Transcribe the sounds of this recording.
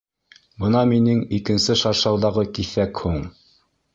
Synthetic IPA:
bɤnɑminɘŋikɘ̆nsɘʃɑɾʃɑwðɑʁɤkiθækhuɴ

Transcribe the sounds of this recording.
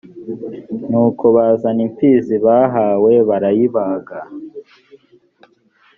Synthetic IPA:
nuːkʰoβaːzaniɱfiziβaːɦaːwe̞βaɾajiβaːɡa

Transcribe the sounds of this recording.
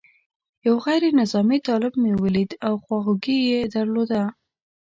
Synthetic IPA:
jawɣajɾenɪzɑmit̪ɑlɪbmewəlid̪awxwɑɣuɡijed̪aɾlod̪a

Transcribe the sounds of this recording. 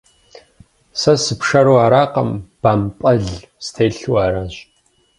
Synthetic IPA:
sɐsɨpʂɐɾwaːɾaːqɐmb̥aːmpʼɐɮ | stʰeːɬuwaːɾɐnɕ

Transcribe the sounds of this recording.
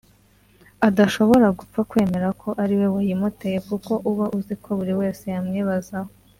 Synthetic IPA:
adaʃo̞βo̞ɾaɡup͡fakwe̞ːme̞ɾakʰo̞ʔaɾiwe̞wajimute̞jekuko̞ʔuβaʔuziko̞βuɾiwe̞ːse̞jamŋiːβazaho

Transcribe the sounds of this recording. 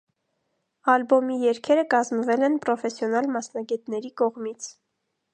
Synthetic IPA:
ɑlbɔmijɛɾkʰɛɾəkɑzmvɛlɛnpɾɔfɛsjɔnɑlmɑsnɑɡɛt̪nɛɾikɔʁmit͡sʰ

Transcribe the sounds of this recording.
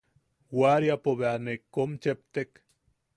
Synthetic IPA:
waɾjapoβeanekːomt͡ʃep̚t̪ek

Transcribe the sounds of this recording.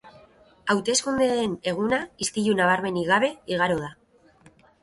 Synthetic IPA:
awt̪e̞skund̪eene̞ɣ̞unaist̪iʎunaβ̞aɾme̞niɣaβe̞iɣ̞aɾoð̞a

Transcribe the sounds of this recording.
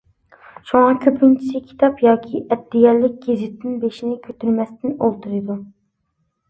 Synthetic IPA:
ʃuŋɑkʲʰøpɪnt͡ʃʰi̥sɪkʲʰi̥t̪ʰɑpjɑːkʲʰiʔɛd̪ːɪɡʲɛɾlɪk̚ʲɡ̥ʲezɪt̪ʰnɪnbeʃinɪkʲʰøt̪yɾmɛst̪ɪnolˠt̪ʰuɾɨd̪u

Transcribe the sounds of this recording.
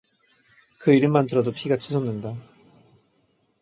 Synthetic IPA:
kɯiɾɯɭmandɯɾʌdopʰiɡat͡ɕʰisʰʌnːɯnda

